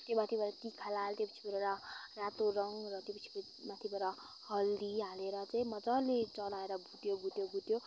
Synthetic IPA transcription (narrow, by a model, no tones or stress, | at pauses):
t̪jomat̪ʰibʌɾʌt̪ikʰalalt̪jopʌ̥t͡sʰi̥bʌɾeɾʌrat̪oɾʌŋrʌt̪jopʌt͡sʰi̥k | mat̪ʰibʱʌɾʌ | hʌld̪iɦaleɾʌt͡saĩmʌd͡zalet͡sʌlaeɾʌbʱut̪joɡʱut̪joɡʱut̪jo